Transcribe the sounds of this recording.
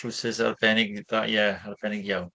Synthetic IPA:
usɨsa̰rbɛnɪɡðajɛarb̥ɛnɪɡjawn

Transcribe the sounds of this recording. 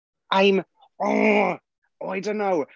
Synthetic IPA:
ʔãɪ̃m | ɔ | oʊaɪdõʊ̃nːoʊ

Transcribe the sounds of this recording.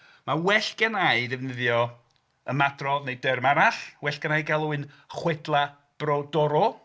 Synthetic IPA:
mawɛɬɡ̥ɛnajɨdɛvnəðjɔ | əmadrɔnejdɛrmaɾaɬwɛɬɡ̥ənajɡalˠuɨn | χwɛdlˠa | b̥rɔdɔɾɔ

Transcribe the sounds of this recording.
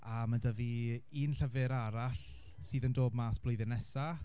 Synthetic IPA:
amadəviiːnɬəvɪɾaɾaɬ | siːðəndoːbmaːsb̥lʊjðɪnɛsa

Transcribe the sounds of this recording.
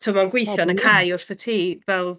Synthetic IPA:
tʰʊmɔɡwɪjθanəkʰajʊr̥θətʰiːvɛlˠ

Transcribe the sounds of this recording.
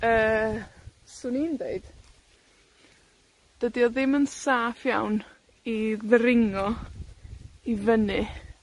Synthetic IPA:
əː | suːnindeɨd̥ | d̥ədiɔðɪmənsaːfjawn | iðəɾɪŋɔ | ivənɨ

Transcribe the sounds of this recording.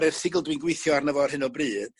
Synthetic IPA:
ɾɛr̥sɪɡlˠdwinɡwejθjɔarnəvɔrhɨnɔbrɨːð̥

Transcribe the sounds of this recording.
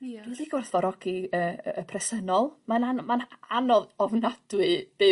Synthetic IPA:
d̥uːðiɡwɔrθvɔɾɔɡ̥iəːpʰrɛsənɔlˠmananmananɔðɔvnad̥wɨd̥e

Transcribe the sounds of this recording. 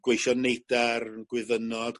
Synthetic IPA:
ɡ̥wejʃɔnejdarɡ̥wɪðənɔd̥

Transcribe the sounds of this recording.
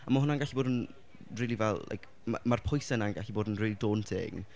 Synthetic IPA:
amahʊnanɡaɬiboːdən | riːlˠivɛlˠla̰jkʰ | ma̰marpʰʊjsɛnanɡaɬiboːdənriːlidoːntʰḛːɡ

